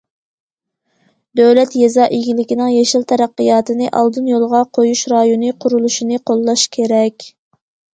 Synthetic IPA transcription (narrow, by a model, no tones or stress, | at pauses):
d̪øwlɛt̪jɛzɑːʔeɡʲilɪkʲinɪŋjɛʃilˠt̪ʰɛɾæqːɨjɑːt̪ɨnɨʔɑ̰lˠd̪ɨnjolˠʁɑqʰojuʃɾɑjonɨqʰʊɾulˠuʃinɨqʰolˠːɑʃkʲʰeɾɛkʲ